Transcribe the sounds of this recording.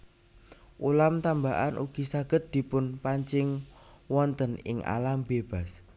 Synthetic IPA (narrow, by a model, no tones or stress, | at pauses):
ʔulamt̪ambaʔanʔuɡ̥isaɡ̥ə̤t̪̚d̪̥i̤pʊnpaɲt͡ʃɪŋwɔnt̪ənɪ̰ŋʔa̰lambeb̥a̤s